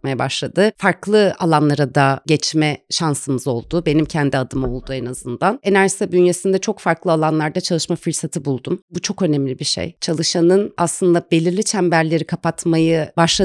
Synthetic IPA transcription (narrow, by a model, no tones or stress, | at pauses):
majabaʃlˠad̪ɯfaɾklˠɯalˠanlˠaɾad̪aɟɛt͡ʃmɛʃansɯmɯzo̞lˠd̪ʊbe̞nimcʰɛnd̪iad̪ɯmao̞lˠd̪uɛnazɯnd̪ane̞næɾʒisabynjesind̪ɛt͡ʃʰo̞kfaɾklˠɯalˠanlˠaɾd̪at͡ʃʰalˠɯʃmafɯɾsat̪ʰɯbulˠd̪umbut͡ʃʰo̞kø̞nɛmlʲibiʃḛjt͡ʃʰalˠɯʃanɯnaslˠɯnd̪abe̞lʲiɾlʲit͡ʃʰæmbæɾlʲe̞ɾikʰapat̪majɯbaʃlˠa